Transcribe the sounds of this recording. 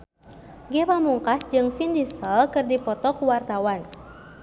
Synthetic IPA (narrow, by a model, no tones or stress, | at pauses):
ɡɛpamuŋkasd͡ʒɨŋfindisəlkɨrdipɔt̪ɔkuwart̪awan